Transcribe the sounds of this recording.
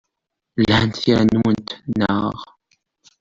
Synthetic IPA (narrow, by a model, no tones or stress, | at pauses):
lhənt̪θiɾnwənt̪nə̰ʁ